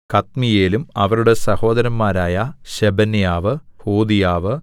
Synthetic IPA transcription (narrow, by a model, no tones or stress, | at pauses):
kɐt̪mijeːlumɐʋɐɾuɽe̞sɐho̞ːd̪ɐɾɐmːaːɾaːjɐɕebɐnijaːʋɨhoːd̪ijaːʋɨ